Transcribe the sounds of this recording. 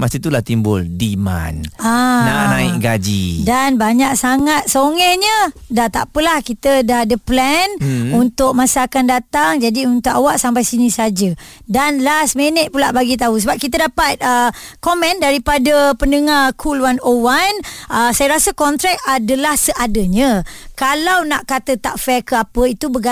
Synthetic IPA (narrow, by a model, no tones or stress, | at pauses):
mast̪it̪ulaht̪imbʊ̰ldima̰nanaʔnaɪkɡad͡ʒḭdanbaɲak̚saŋat̪̚soŋɛhɲədat̪a̰pəlahkit̪ədadəplɛnunt̪ʊk̚masəakandat̪aŋd͡ʒadiunt̪ʊkawaʔsampajsinisad͡ʒə | danlasmenət̪̚pulaʔbaɡit̪̬aɦus̬əbap̚kit̪ədapat̪̚əkomɛ̃ndaɾipadəpəndəŋarkʰulwanowanʔəsajəɾasəkɔnt̪ɾɛk̚adəlahsəʔadəɲə̃kalawnaʔkat̪ət̪aʔfɛkəapəit̪ubəɡa